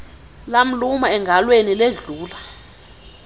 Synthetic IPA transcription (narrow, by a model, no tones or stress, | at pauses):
lam̩lumaɛŋɡʱalwenileɮuːla